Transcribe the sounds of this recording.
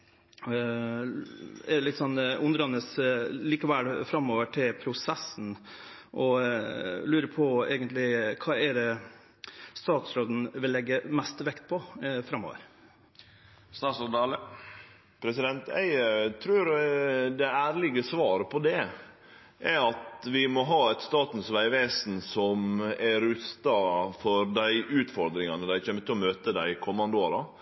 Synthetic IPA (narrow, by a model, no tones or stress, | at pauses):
ɛlɪt̪ːsɔnːʔʊnd̪ɾɑnəsliːkəʋælfɾɑmːoːʋəʈʰɪlpʰɾʊsɛsːn̩ | ʔɔ | lʉːɾəpʰɔɛːɡənt̪lɪkʰɑːɛɾɛ | st̪ɑːt̪sɾoːd̪n̩ʋɪlːɛɡːəmɛst̪ʋɛkt̪̚pʰɔfɾɑmːo̰ːʋə̰ɾ | st̪ɑːsɔd̪ɑːlə | pʰɾɛsɪd̪ɛnt̪æ̰ɪt̪ʰɾʉːɾd̪ɛæːɾlɪɡəsʋɑːɾəpʰɔd̪ɛ | ʔæɾɑt̪ʋɪmɔɦɑːɛt̪st̪ɑːt̪n̩sʋæɪʋeːsn̩sɔmæɾʉst̪ɑfɔɾd̪æɪʔʉːt̪fɔɾd̪ɾɪŋɑnəd̪æɪçɛmːət̪ʰɪlɔmøːt̪əd̪æɪkʰɔmːɑnd̪əoːɾɑ